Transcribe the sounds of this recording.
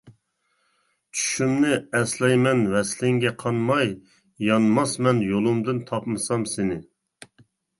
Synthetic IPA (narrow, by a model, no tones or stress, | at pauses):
t͡ʃʰy̥ʃymnɪɛslɛjmɛnvɛslɪŋɡʲɛqʰɑnmɑj | jɑnmɑsmɛnjolˠumd̪ɨnt̪ʰɑpmɨsɑmsɪnɪ